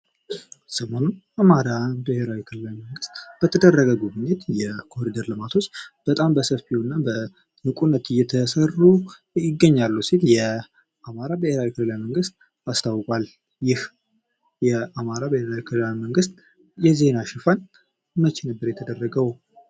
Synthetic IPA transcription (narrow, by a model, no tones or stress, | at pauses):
səmonun | amaɾabeheɾawikʰɨlɨlajməŋɡɨst̪b̥ət̪ʰəd̪ərːəɡəɡubɨɲet̪jɛkʰo̞ɾid̪əɾlɨmat̪ʰo̞t͡ʃːb̥ət̪ʼambəsəfiɨnːabə | nɨkʼunːət̪ɨjːɛt̪ʰəsəru | jɪɡːəɲːalːusit̪jɛ | ʔamaɾabəheɾawikʰɨlɨlajməŋɡɨst̪̚ | ast̪ʰawkʼal | jɪh | jɛamaɾabəheɾawikʰɨlɨlawiməŋɡɨst̪ | jɛze̞naʃɪfan | mət͡ʃɪnəbːəɾjɛt̪ʰəd̪ərːəɡəw